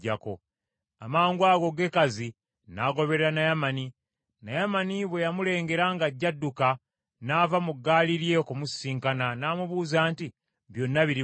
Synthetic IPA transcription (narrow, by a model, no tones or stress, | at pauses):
ɟako̞ | amaːŋɡwaɡo̞ɡe̞kazi | naːɡo̞βe̞ɾeɾanajamani | najamaniβwe̞jamule̞ːŋɡe̞ɾaŋɡaɟːadːuka | naːvamuɡːaːliɾje̞okumusːiːŋkananaːmuβuːzaːnti | βjo̞nːaβiɾi